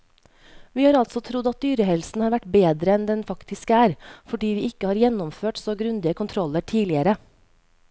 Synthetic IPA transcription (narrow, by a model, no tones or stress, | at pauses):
ʋiːhɑːɾɑlt̪sɔt̪ʰɾʊd̪ɑt̪̚d̪yːɾəhɛlsn̩hɑːɾʋæʈbeːd̪ɾəɛnd̪ɛnfɑkt̪ɪskæːɾfɔɖiːʋiːɪkəhɑːɾjɛnɔmføːʈsoːɡɾʉnd̪ɪəkʰʊnt̪ʰɾɔlːəʈʰiːlɪəɾə